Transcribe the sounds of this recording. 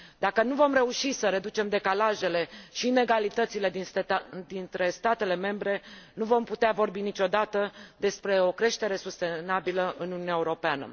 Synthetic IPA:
d̪akənuvo̞mre̞uʃisəɾe̞d̪ut͡ʃe̞md̪e̞kalaʒe̞le̞ʃine̞ɡalit̪ət̪sile̞d̪id̪int̪ɾe̞st̪at̪e̞le̞me̞mbɾe̞nuvo̞mput̪eavo̞rbinit͡ʃo̞d̪at̪əd̪e̞spɾe̞o̞kɾe̞ʃt̪e̞ɾe̞sust̪e̞nabiləʔɨnununeaeuɾo̞peanə̰

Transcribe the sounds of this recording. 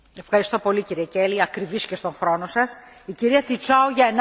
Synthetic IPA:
e̞fxɐɾist̪o̞po̞liciɾiece̞liɐkɾivisce̞st̪oŋxɾo̞no̞sɐs | iciɾiɐt̪it͡sɐuʝɐen

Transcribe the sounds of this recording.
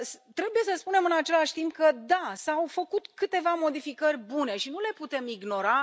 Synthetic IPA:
st̪ɾe̞buje̞səspune̞mɨnat͡ʃe̞laʃʲt̪imp̚kəd̪asawfəkut̪kɨt̪e̞vamo̞d̪ifikərʲbune̞ʃinule̞put̪e̞miɡno̞ɾa

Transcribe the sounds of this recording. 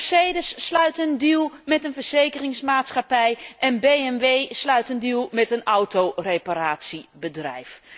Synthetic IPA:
sejdəsːlœɥtəndilˠmɛtənvəɹz̥ejkərɪŋsmaːtsχapɛjʔɛnbejɛnʋejslœɥtəndilˠmɛtənɔwtoreparaːtsibədrɛ̰jf

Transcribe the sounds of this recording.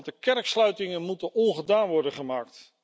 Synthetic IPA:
dəkɛrkslœɥtɪŋənmutənɔnχədaːnʋɔɹdəχəmaːk̚t

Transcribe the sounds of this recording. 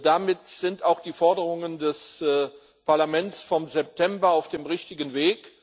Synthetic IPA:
d̥amɪtz̥ɪntaʊxd̥iːfɔɐdəʁʊŋəndɛs | paɐlamɛnt͡sfɔmzɛp̚tʰɛmbɐaʊfd̥eːmʁɪçtɪɡənveːk

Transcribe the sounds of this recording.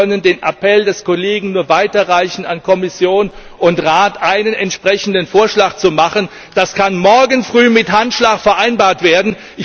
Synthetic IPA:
œnəndeːnʔapʰɛldɛskoleːɡŋ̩nuːɐvaɪtɐʁaɪçn̩a̰nkʰɔmɪsjoːn | ʔʊntʁaːtʔaɪnənɛntʃpʁ̥ɛçn̩dənfoːɐʃlaːkt͡sumaχən | d̥askʰanmɔɐɡənfʁ̥yːmɪthantʃlaːkfɛɐʔaɪnbaːɐtv̥eːɐdn̩ | ʔɪ

